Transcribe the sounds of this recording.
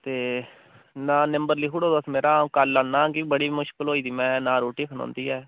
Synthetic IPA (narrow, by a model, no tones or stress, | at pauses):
t̪eː | nãːnɪmbəɾliːkʰuɽoːd̪əsmeːɾãːkəlːaːnãːɡibəɽiːmʊʃkəlɦoːiːd̪iːmɛ̃ːnãːɾoːʈiːkʰənõ̰ːnd̪iːɛː